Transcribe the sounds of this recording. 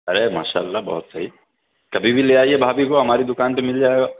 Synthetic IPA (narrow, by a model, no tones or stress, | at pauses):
ɐɾema̰ːʃa̰ːəlːabɐ̰ɦʊt̪sɐɦi | kɐbʱibʱileːaːiebʱaːbʱikoɦɐmaːɾid̪ʊkaːnpemɪld͡ʒaːeɡaː